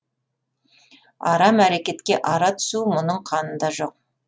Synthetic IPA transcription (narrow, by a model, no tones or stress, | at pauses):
ɑ̰ɾɑmæɾekʲe̞t̪kʲe̞ʔɑɾɑt̪ʰʏ̥sumʊnəɴqʰɑnənd̪ɑʒo̞q̚